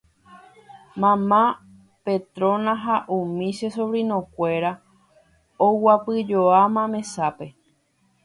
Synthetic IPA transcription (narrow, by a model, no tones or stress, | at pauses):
mãmã | pet̪ɾõnãɦaʔũmĩʃesoβɾinõkʷe̞ɾa | owapɨd͡ʒoamãmẽsape̞